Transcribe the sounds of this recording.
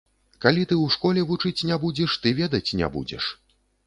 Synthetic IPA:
kalʲit̪ɨwʂkɔlʲɛvut͡ʂɨt͡sʲnʲabud͡zʲɛʂt̪ɨvʲɛd̪ɐt͡sʲnʲɛ̰bṵd͡zʲɛ̰ʂ

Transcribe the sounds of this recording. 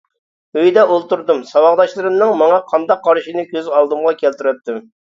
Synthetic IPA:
øjd̪ɛolˠt̪uɾd̪ɨmsɑwɑʁd̪ɑʃlˠɨɾɨmnɨŋmɑŋɑqʰɑnd̪ɑqʰːɑɾʃinɨkʲʰøzɑlˠd̪ɨmʁɑkʲɛlt̪yɾɛt̪ːɪm

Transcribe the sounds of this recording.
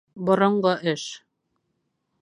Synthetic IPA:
bŏɾɤ̆ɴɢɤʔɘʃ

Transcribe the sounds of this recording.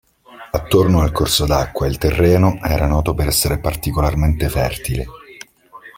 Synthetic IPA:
at̪ːornoalkorsod̪akːwailt̪erːɛːnoʔɛːɾanɔːt̪opeɾɛsːeɾepart̪ikolarment̪efɛ̰rt̪ile

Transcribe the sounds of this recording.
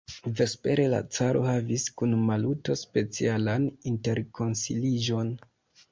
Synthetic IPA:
ve̞spe̞ɾe̞la̰t͡saɾo̞̰haviskunmaluto̞spe̞t͡sialaninte̞ɾkʰo̞nsḭlid͡ʒo̞n

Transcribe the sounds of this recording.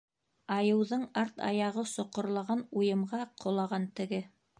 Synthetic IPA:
ɑjɤ̆wðɤɴɑɾt̪ɑ̰jɑʁɤsŏqŏɾlˠɑʁɑnujɤ̆mʁɑqʰŏlˠɑʁɑnt̪ɘ̆ɡɘ

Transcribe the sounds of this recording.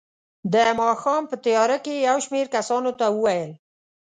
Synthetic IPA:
d̪əmɑxɑmpət̪əjɑɾakejawʃmeɾkasɑnot̪awəwajəl

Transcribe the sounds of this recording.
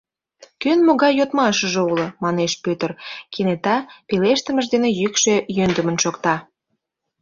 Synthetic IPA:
kønmoɣɑjjot̪mɑʃəʒĕulə̆mɑneʃpøt̪ərkʰenet̪ɑpeleʃt̪ə̆mə̆ʒd̪enejykʃejønd̪əmənʃokt̪ɑ

